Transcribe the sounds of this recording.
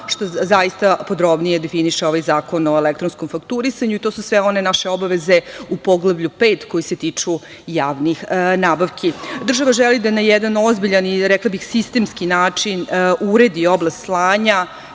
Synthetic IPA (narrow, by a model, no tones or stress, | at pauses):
ʂt̪o̞zajist̪apo̞d̪ɾo̞bnije̞d̪efiniʃeo̞ʋajzaːko̞no̞elek̚t̪ɾonsko̞mfakt̪uɾisaɲuit̪o̞ːsusʋeo̞ne̞naʃeo̞baʋeze̞upo̞ɡlˠaʋʎupeːt̪ko̞jiset̪iːt͡ʂu | jaːʋnixnaːbaʋkʰid̪r̩ʒaʋaʒɛlid̪anajɛd̪anozbiʎaniɾɛklˠabixsist̪eːmskinaːt͡ʂinʔuɾe̞d̪ioblˠast̪slˠaːɲa